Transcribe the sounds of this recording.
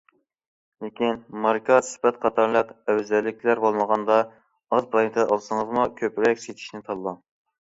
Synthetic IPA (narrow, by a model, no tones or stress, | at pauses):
lekʲinmɑɾkʰɑsy̥pɛt̪̚qʰɑt̪ʰɑɾlˠəqɛwzɛlːɪkʲʰlæɾbolˠməʁɑnd̪ɑ | ɑzpɾˠɑj̪t̪ʰɨd̪ʔɑlˠsɨŋəzmukʲʰøpɾɛkʲset̪ʰi̥ʃnɪt̪ʰɑlˠːɑŋ